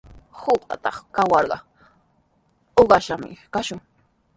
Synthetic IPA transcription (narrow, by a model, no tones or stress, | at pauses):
hoqɑ̰t̪ɑχkawɑɾɢɑ | oɢɑʃamɪ̰kaʃʊŋ